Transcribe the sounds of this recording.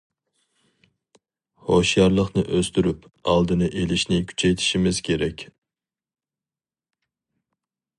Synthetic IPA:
hoʃjɑɾlˠəχnɨʔøst̪yɾypɑlˠd̪ɨnɨʔelɪʃnɪkʲʰy̥t͡ʃʰɛjt̪ʰi̥ʃimɪzkʲʰeɾɛkʲ

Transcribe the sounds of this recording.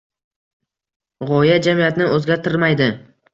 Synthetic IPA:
ʁɒjad͡ʒamijat̪nɪɵzɡʲaɾt̪ʰɪɾmajd̪ɪ

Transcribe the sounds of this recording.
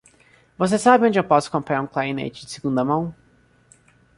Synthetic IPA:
vos̬esabɪõd͡ʒɪewpɔsʊ̥kõmpɾaũklainḛjt͡ʃɪ̥d͡ʒɪsɪɡũnd̪ɐmɐ̃w̃

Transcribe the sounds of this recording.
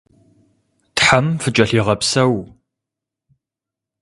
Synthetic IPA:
tħamfɨt͡ʃʼɐɬiːʁɐpsɐw

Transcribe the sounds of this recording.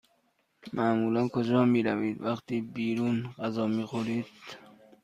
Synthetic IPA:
mʔæmuːlænkʰod͡ʒɒːmiːɾæviːd̪væxt̪ʰiːbiːɾuːnɢæzɒːmiːxoɾiːd̪̥̚

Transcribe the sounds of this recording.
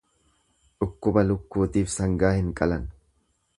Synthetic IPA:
ᶑʊkːʊbɐlʊkːuːt̪iːfsɐŋɡaːhɪŋkʼɐlɐn

